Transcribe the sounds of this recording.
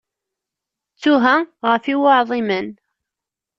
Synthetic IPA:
t͡sːʊɦæʁəfiwɑʕðˤimən

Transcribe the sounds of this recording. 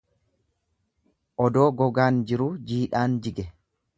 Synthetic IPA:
ʔɔd̪o̞ːɡɔɡaːnd͡ʒɪɾʊd͡ʒiːᶑaːnd͡ʒɪɡɛ

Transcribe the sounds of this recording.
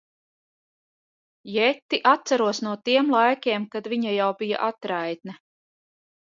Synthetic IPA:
jɛt̪ːiʔat̪saɾuɔsnuɔt̪iɛmlˠajkʲeɛːmkad̪viɲajawbija̰ʔat̪ɾajt̪na

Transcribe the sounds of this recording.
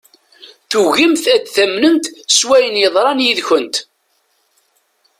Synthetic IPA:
θuɣimθæd̪θæmːnənt̪swæjənjəðˤɾˤɑnjiðçənt̪

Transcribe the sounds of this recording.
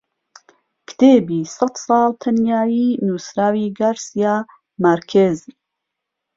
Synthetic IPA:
kʰt̪ʰeːbiːsɐt̪sˤɑːlt̪ʰɐnjaːjiːnuːsɾaːwiːɡaːɾsijaː | maɾkʰez

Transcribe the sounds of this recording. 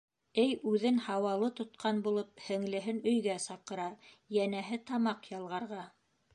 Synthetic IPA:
ɘjʉðɘnhɑwɑlˠɤt̪ŏt̪̚qʰɑnbulˠɤp̚hɘ̆ŋlɘ̆ɦɘnɵ̆jɡæsɑqɤ̆ɾɑ | jænæɦɘt̪ɑmɑqjɑlˠʁɑɾʁɑ

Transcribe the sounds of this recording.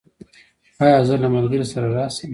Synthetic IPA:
ajɑzəlamalɡəɾesaɾaɾɑːsem

